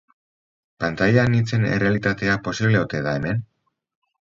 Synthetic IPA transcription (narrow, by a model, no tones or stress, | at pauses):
pant̪ajanit͡se̞ne̞̰re̞alit̪at̪e̞apo̞siβle̞ot̪e̞ðae̞me̞n